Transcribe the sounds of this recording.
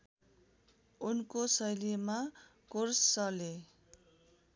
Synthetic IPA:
unkosʌjlima | korsːʌle

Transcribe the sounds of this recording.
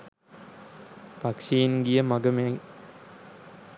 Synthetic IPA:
pɐkʂiːnɡijəmɐɡɐme

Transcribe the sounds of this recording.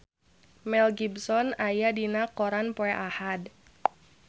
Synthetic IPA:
mɛlɡibsɔnajadinakɔɾanpoɛʔahad

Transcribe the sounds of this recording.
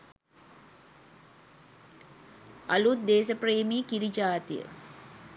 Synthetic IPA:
ɐ̰lut̪̚d̪eːsəpreːmiːkiɾid͡ʒaːt̪ijə̰

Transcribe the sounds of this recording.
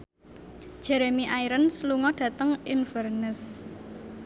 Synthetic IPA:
ʒ̥ɛɾemiʔaiɾənsluŋɔɖ̥ä̤t̪əŋinfərnəs

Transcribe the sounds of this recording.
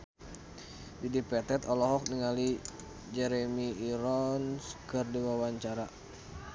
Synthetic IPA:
didipɛt̪ɛt̪ɔlɔɦɔk̚niŋali | d͡ʒɛɾɛmiːɾɔnskɨrdiwawaɲt͡ʃaɾa

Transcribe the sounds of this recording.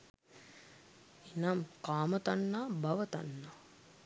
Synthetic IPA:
enamkaːmət̪anːaːbɐʋət̪a̰nːaː

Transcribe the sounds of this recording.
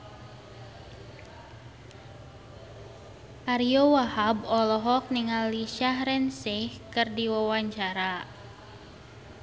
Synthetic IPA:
ʔaɾiɔwahabɔlɔɦɔk̚niŋalːiʃahɾɛnsɪhkɨrdiwawaɲt͡ʃaɾa

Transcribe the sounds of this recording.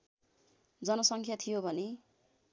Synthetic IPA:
d͡zʌnʌsʌŋkʰjat̪ʰijobʱʌne

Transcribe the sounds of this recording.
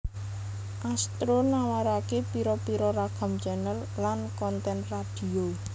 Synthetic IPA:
ʔast̪ɾonawaɾakepiɾɔpiɾɔɾaɡ̥a̤md͡ʒa̤nər | lankɔnt̪ɛnrad̪̥i̤o

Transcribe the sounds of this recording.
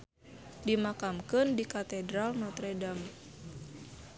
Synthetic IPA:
dimakamkɨndikat̪ɛdɾalnɔt̪ɾɛdam

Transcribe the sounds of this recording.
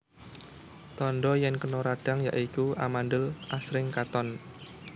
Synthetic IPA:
t̪ɔnɖɔjɛnkənɔɾaɖ̥a̤ŋja̰ʔikua̰manɖəlʔasɾɪŋkat̪ɔn

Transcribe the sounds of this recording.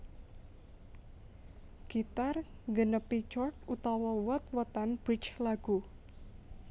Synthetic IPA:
ɡ̥it̪arŋɡənəpit͡ʃɔrk̚ut̪ɔwɔwɔt̪̚wɔt̪anb̥ɾit͡ʃlaɡ̥u

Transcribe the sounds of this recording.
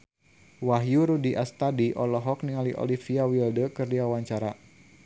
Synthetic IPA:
waɦjuɾudiʔast̪adiʔɔlɔɦɔk̚niŋaliʔɔ̰lifiawildəkərdiawaɲt͡ʃaɾa

